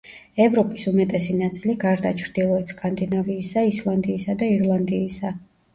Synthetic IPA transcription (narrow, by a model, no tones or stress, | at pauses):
ɛvɾɔpʼisumɛt̪ʼɛsinat̪sʼiliɡaɾd̪a̰t͡ʃʰɾd̪ilˠɔɛt̪skʼand̪inaviːsaislˠand̪iːsad̪aiɾlˠand̪iːsa